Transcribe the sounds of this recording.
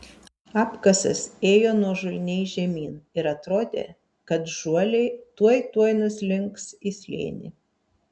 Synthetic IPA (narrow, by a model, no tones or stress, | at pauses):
ɑːpkɐsɐ̰seːjoːnuɔʒʊlʲnʲɛɪʒʲɛmʲiːnɪɾɐt̪ɾoːd̪ʲḛː | kɐt̪ʒuɔlʲɛɪt̪uɔjt̪uɔjnʊslʲɪŋksɪsʲlʲḛːnʲɪ̰